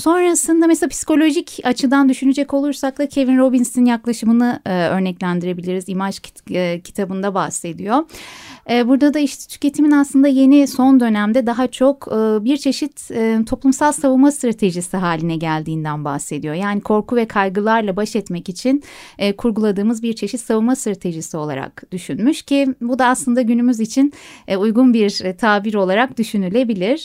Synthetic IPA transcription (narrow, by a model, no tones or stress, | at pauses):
so̞nɾasɯnd̪amɛslapʰi̥si̥ko̞lʲo̞ʒicat͡ʃʰɯd̪and̪yʃynyd͡ʒɛco̞lˠuɾsak̚d̪acʰe̞vinɾo̞binsininjaklˠaʃɯmɯnɯø̞ɾnɛclʲænd̪iɾe̞bilʲiɾizimat͡ʃːcʰi̥t̪ʰabɯnd̪abahse̞d̪ijo̞ | ɛːbuɾd̪ad̪aiʃt̪ʰɛ̥t̪ʰy̥cʲe̞t̪ʰiminaslˠɯnd̪aje̞niso̞nd̪ø̞næmd̪ɛd̪aɦat͡ʃʰo̞kːbiɾt͡ʃʰe̞ʃit̪ːt̪ʰo̞plˠumsalˠsavumast̪ɾat̪ʰe̞ʒisiɦaːlʲinɛɟælʲd̪iːnd̪ænba̰hse̞d̪ijo̞jaːnikʰo̞ɾkuvɛkʰajɡɯlˠaɾlˠabaʃɛt̪mɛcit͡ʃʰinɛːkʰuɾɡulˠad̪ɯːmɯzbiɾt͡ʃʰe̞ʃit̪savumast̪ɾat̪ʰe̞ʒisio̞lˠa̰ɾa̰kd̪̥yʃynmyʃcʰibud̪aːslˠɯnd̪aɟynymyzit͡ʃʰinujɡunbiɾt̪ʰaːbiɾo̞lˠaɾak̚d̪yʃynylʲe̞bilʲiɾ̥